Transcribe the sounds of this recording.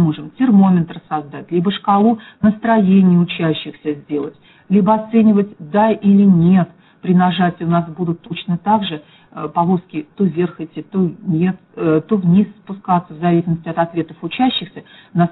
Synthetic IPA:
moʐɨmtʲɪrmo̞mʲɪnt̪ɾəsɐzd̪atʲlʲibəʂkɐlˠunəst̪ɾɐjenʲɪjəʊt͡ɕæɕːɪxsʲəzʲdʲe̞lˠətʲ | lʲibəɐt̪senʲɪvətʲd̪aʔilʲɪnʲe̞t̪ | pɾʲɪnɐʐatʲɪʊnasbud̪ʊt̪ːot͡ɕnət̪aɡʐɨ | pɐlˠoskʲɪt̪ovʲe̞rxɛtʲɪt̪onʲet̪t̪ovnʲisspʊskat̪səvzɐvʲisʲɪlməsʲtʲɪɐt̪ɐt̪vʲe̞t̪əfʊt͡ɕæɕːɪxsʲənas

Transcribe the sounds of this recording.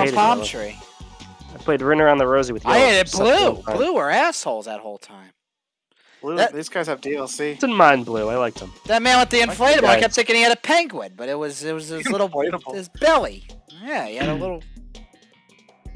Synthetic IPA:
ɪpʰɑmttʰɹ̥i | aɪpʰl̥eɪdɹɪ̃nə˞ãʊ̃nðəɹoʊziwɨðjaɪɨɾɨt̚b̥llʉbluə˞æshoʊlˠzə̰ɾhoʊlˠtʰãɪ̃m̥ | luðɨtðizɡaɪz̥ɨvdilˠsid̥ɪdⁿn̩mãɪ̃nblʉaɪlaɪk̚tə̃mðɨt̚mæ̃wə̃t̪ðiɨ̃ɱfleɪɾɨbl̩ˠaɪkɛp̚t̚θɪ̃kɨ̃niɨɾɨpʰæ̃ŋɡwɪd̚b̥ʌɾɨt̚wʌzɨt̚wʌzɪlɪɾl̩ˠeɪɾəbl̩ˠzb̥ɛlˠḭjæiɨɾəlɪɾl̩ˠ

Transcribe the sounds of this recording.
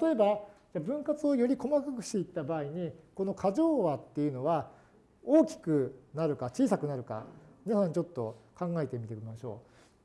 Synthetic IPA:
t̪at̪o̞e̞bad͡ʑaːbɯ̟̃ŋkat͡sɨo̞jo̞ɾʲiko̞makakɯ̟̥ɕt̪e̞it̪ːabaːiɲ̟iko̞no̞kʰaʑo̞ːβat̪ːe̞jɯ̟no̞βa | o̞ːkʲi̥kɯ̟naɾɯ̟kat͡ɕiːsakɯ̟naɾɯ̟ka̰mʲinasãɲ̟t͡ɕo̞t̪ːo̞̰kãŋɡae̞t̪e̞mʲit̪e̞k̟ʲimaɕo̞ː

